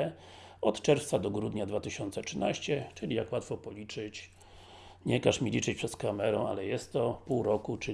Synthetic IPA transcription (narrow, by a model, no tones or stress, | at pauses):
ɔt̪t͡ʂɛɾft̪sad̪ɔɡɾud̪ɲad̪vat̪ɘɕɔnt̪sɛtʂɘnaɕt͡ɕɛt͡ʂɘlʲijakwat̪fɔpɔlʲit͡ʂɘt͡ɕ | ɲɛkaʂmʲilʲit͡ʂɘt͡ɕpʂɛskamɛɾɛ̰̃a̰lɛjɛst̪ːɔpuwɾɔkut͡ʂɘ